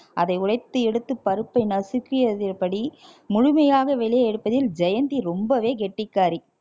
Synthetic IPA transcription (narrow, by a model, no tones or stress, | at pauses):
ʔɐðɐɪʊɻɐɪt̪ːɯɛɽɯt̪ːɯpːɐɾɯpːɐɪnɐsɯkːɪjɐðɪrpɐɽi | mʊɻʊmɐjaːɣɐʋɛlɪjɐɛɽɯpːɐðɪld͡ʒɐjɐnd̪iɾɔmbɐʋeːɡɛʈːɪkːaːɾi